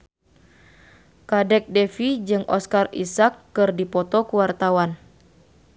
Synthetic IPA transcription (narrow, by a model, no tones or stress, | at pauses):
kadɛk̚dɛfid͡ʒɨŋʔɔskarḭsakːɨrdipɔt̪ɔkuwart̪awan